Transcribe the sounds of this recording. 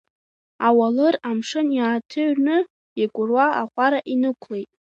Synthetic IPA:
awalɨramʂɨnjaːtʰɨɥnɨ | ikʷʼʊrwaaqʷʼaɾaʔinɨkʷʰlejtʼ

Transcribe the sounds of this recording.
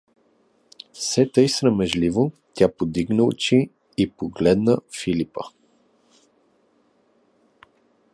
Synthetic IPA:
sɛt̪əjsɾəmɛʒlivo | t̪ʲapod̪iɡnəʊ̰t͡ʃi | ipoɡlɛd̪nəfilipə

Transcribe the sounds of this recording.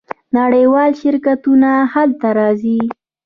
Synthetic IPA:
naɽəjwɑlʃɪɾkat̪unahalt̪aɾɑzi

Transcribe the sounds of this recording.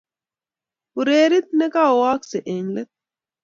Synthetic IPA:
uɾeːɾit̪̚nekaːwaːkseʔeɲlet̪̚

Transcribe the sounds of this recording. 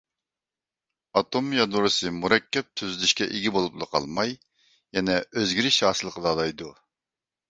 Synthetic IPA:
ɑt̪ʰomjɑd̪uɾɨsɨmuɾɛkʲʰːɛp̚t̪ʰyzylyʃkʲɛʔeɡʲibolˠuplˠə̰qʰɑ̰lˠmɑj | jɛnɛøzɡʲiɾɪʃhɑːsɨlˠəqʰəlˠɑd̪ɑjd̪u

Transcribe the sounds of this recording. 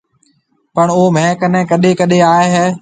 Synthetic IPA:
pəɳoːmɛ̃ːkənɛ̃ːkəɗekəɗeaːeɦɛː

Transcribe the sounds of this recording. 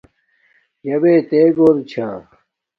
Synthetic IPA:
jɐbeːt̪eːɡoːlt͡ɕʰãː

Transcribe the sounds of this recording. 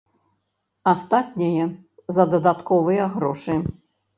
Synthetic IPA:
ast̪at̪̚ʲnʲɐjɛ | zɐd̪ɐd̪at̪kɔvɨjɐɣɾɔʂɨ

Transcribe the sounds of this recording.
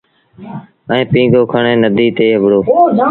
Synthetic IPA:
ɛ̃ːpĩːɡoːkʰəɳẽːnəd̪ʱiːt̪eːɦəbɽoː

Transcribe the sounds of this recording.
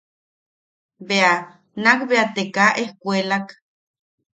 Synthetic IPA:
bea | nakbeat̪ekaʔehkʷelak

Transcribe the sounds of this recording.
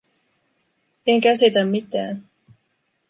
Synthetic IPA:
eŋkæsit̪æmːit̪æ̰ːn

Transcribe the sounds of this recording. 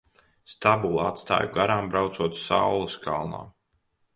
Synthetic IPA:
st̪abulˠa̰t̪st̪a̰ːjuɡaɾaːmbɾawt̪suɔt̪sawlˠɐskʰa̰lˠna̰ː

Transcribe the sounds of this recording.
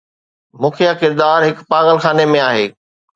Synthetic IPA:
mũːkʰijakɪɾd̪aːɾɦɪkpaːɣəlxaːnemẽaːɦeː

